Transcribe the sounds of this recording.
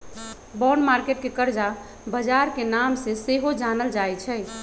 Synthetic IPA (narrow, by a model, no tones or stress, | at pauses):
bɔːɾɳɖmaːɾkeːʈ̚kekəɾd͡ʒa | bəd͡ʒaːɾkenaːmseseɦod͡ʒaːnəld͡ʒaːɛt͡ʃʰɛː